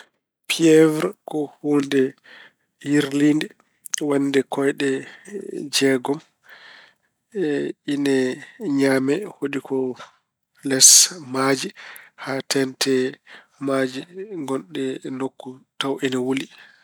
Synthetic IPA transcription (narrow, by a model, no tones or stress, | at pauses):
pʰiɛvɾkɔhundɛ | hiɾlindɛ | wandɛkɔjɗɛ | d͡ʒɛɡɔm | ʔinɛɲaːmɛhoɗikʰɔ | lɛsmad͡ʒihatɛntʰɛ | mad͡ʒiŋɡɔnɗɛnokːutawʔinɛwuli